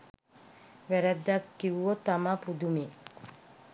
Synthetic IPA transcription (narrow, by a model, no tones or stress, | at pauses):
ʋæɾad̪ːakːiʋuot̪amapud̪umi